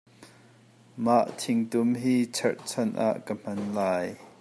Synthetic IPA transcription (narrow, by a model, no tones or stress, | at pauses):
maʔt̪ʰɪŋt̪ʊmɦiːt͡sʰɛrt͡sʰɐnʔa̰ʔkəm̥ɐnlaːj